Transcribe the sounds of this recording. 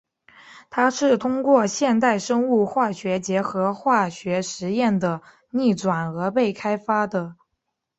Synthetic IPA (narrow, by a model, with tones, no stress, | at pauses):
t̪ʰa˥ʂɻ̩˥˩t̪ʰʊ˥ŋkwɔ˥˧ɕjɛ˥˧nt̪̬a˥˩ɪʂɤ˥ŋu˥˧xwa˥˩ɕɥɛ˧˥t͡ɕjɛ˧˥xɤ˧˥xwa˥˩ɕɥɛ˧˥ʂɻ̩˧˥jɛ˥˩nd̪ə˩ | ni˥˩ʈ͡ʂwa˨˩nɤ˧˥pe˥˩ɪkʰa˥ɪfa˥d̪ə˨